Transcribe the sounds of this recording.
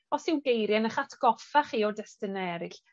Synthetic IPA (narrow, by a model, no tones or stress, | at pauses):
ɔsɪwɡejɾjanəχatʰɡ̥ɔfaχiːɔdɛstɪnɛɾɪɬ